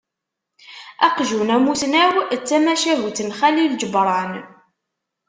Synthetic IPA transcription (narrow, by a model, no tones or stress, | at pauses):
æ̰qʒunæmuθnæwt͡sːæmæʃæɦuθənχælild͡ʒəbɾˤɑn